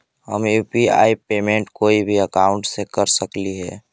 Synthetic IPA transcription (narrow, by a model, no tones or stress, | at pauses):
hə̰mjuːpia̰ːipeːmẽːɳʈkoːibʱiəkaːʊ̃ɳʈsekəɾsəkliɦɛ̰ː